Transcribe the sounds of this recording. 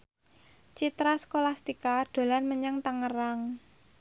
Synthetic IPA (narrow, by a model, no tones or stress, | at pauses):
t͡ʃit̪ɾaskolast̪ikaɖ̪̥o̤lanməɲaŋt̪aŋəɾaŋ